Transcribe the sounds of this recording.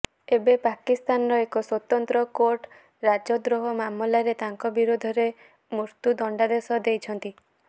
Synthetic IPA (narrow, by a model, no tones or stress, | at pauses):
ebepakist̪anɔɾɔekɔswɔt̪ɔnt̪ɾɔkoɾʈ | ɾad͡ʒɔd̪ɾoɦɔmamɔlaɾet̪aŋkɔbiɾod̪ʱɔɾe | muɾt̪ud̪ɔɳɖad̪esɔd̪ejt͡ʃʰɔnt̪i